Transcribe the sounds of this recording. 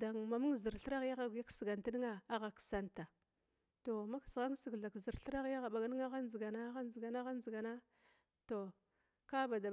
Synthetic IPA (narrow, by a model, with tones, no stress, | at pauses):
da˨ŋma˨mu˦ŋ˦˨zi˨ɾɬə˦ɾa˦ɣja˦ɣa˨ɡja˦ksi˨ɡa˨nti˦ni˦ŋa˦a˦ɣa˨ksa˦nta˨ | to˨ma˦ksɣa˦ŋ˦si˨ɡɮa˨kzi˨ɾɬɾa˦ɣja˦ɣa˨ɓa˨ɡa˦n˦ŋa˦ɣa˦n˦zi˨ɡa˨na˦ɣa˦n˦zi˨ɡa˨na˦ɣa˦n˦zi˨ɡa˨na˦ | to˨ | ka˦ba˨da˨